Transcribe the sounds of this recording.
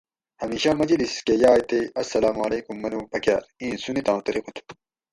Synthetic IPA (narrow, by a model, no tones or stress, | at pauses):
hɐmiːɕamɐd͡ʑiliskejaːjt̪eɐsːɐlaːmɐleːkumːɐnupɐkja̰ːɾĩːnsunit̪ãːt̪ɐɾiqut̪ʰu̥